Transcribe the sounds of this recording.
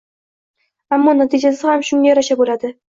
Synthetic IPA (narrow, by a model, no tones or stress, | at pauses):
amːɒnat̪ʰɪd͡ʒasɪhamʃʊŋɡʲajɒɾaʃabolad̪ɪ